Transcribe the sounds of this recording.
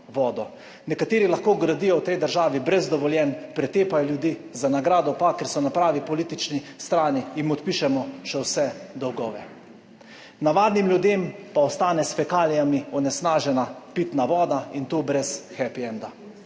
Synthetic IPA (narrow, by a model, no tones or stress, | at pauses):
ʋɔːd̪ɔ | nɛkat̪eːɾilaxkoːɡɾad̪iːjɔwt̪ɛjd̪əɾʒaːʋibɾɛzd̪ɔʋɔljɛnpɾɛt̪eːpajɔljud̪iːzanaɡɾaːd̪ɔpakɛɾsɔnapɾaːʋipɔliːt̪it͡ʃnist̪ɾaːniːmɔt̪piːʃɛmɔʃɛwsɛd̪ɔwɡɔːʋɛ | naʋaːd̪nimljud̪empaɔst̪aːnɛsfɛkaːlijamiɔnɛsnaːʒɛnapit̪naʋɔːd̪aint̪oːbɾɛsxɛpiɛnd̪a